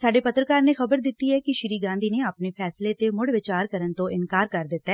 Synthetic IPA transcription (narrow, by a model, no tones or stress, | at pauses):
saːɖeːpət̪ɾəkaːɾneːxəbəɾd̪ɪt̪ːiːɛːkɪʃɪɾiːɡãːnd̪iːneːapneːpʰɛːsleːt̪eːmʊɽʋɪt͡ʃaːɾkəɾənt̪õːʔɪnkaːɾkəɾd̪ɪt̪ːaɛː